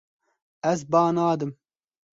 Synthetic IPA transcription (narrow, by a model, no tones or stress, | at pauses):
ɛzbɑːnaːd̪ɨm